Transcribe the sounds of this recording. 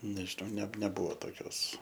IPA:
nʲɛʒʲɪˈnɐʊ nʲɛ nʲɛˈbʊʋoː toːˈkʲoːs

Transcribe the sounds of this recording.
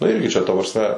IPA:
nʊ ˈɪrʲɡʲɪ t͡ʃʲɛ ˈtɐ prɐsʲˈmʲɛ

